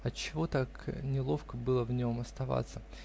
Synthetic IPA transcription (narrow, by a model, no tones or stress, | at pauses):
ɐtt͡ɕːɪvo̞t̪aknʲɪlˠo̞fkəbɨlˠəvnʲo̞mɐst̪ɐva̰t̪sə